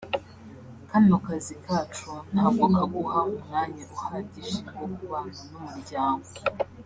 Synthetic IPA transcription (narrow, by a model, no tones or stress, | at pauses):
kandimakazikʰat͡ʃunhaːbɡokaɡuhamumŋaːɲaɾuhaɟiʃiɡokuβananomuɾɟaːŋɡo